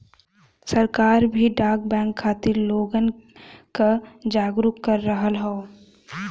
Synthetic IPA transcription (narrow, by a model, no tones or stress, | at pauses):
səɾkaːɾbʱiɖaːɡbɛ̃ːŋkʰːaːt̪ɪɾloːɡənkad͡ʒaːɡɾʊkkːəɾːəɦəlɦɛo